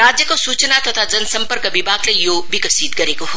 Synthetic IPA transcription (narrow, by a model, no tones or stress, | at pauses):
ɾaːd͡ʒjəkosuːt͡ʃnat̪ɐt̪ʰad͡ʒɐnsɐmpəɾkəʋibʱaːɡlejoːbʱikəsiːt̪kɐɾekoɦo